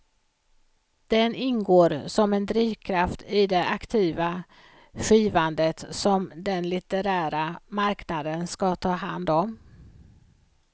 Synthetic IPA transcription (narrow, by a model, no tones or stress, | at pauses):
d̪̥ɛnɪnɡoːɾsɔmɛnd̪ɾiːvkʰɾaft̪ʰɪd̪ɛʔakt̪ʰiːva | ɧiːvand̪ət̪sɔmd̪ɛnlɪt̪əɾæːɾamaɾknad̪ənskɑt̪ʰɑːɦa̰nd̪ɔm